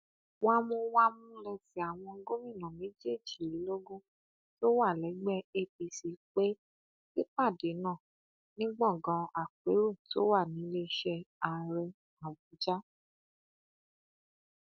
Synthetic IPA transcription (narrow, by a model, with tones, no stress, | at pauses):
wa˦mõ˧wa˦mũ˦lɛ˧ti˨˦a˨w̃ɔ̃˧ŋ̩˦ɡo˦mĩ˦˨nã˨me˨˦d͡ʒe˦˨d͡ʒi˨ɾi˨˦lo˦ɡõ˦ | to˦wa˦˨lɛ˨˦ɡ͡bɛ˦e˧pi˧si˧k͡pe˦ | ki˦k͡pa˦˨de˨˦nã˦˨ | nĩ˦ɡ͡bɔ̃˦˨ɡã˨˧a˨k͡pe˨˦ɾo˦˨to˦wa˦˨nĩ˨˦le˦˧˦ʃɛ˧a˨ɾɛ˧ | a˨bu˨˦d͡ʒa˦